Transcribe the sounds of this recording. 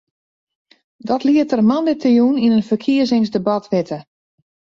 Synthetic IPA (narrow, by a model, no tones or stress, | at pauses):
dɔtliətərmandetəjuninənfərkʰiəzɪŋsdəbɔtʰʋɪtʰə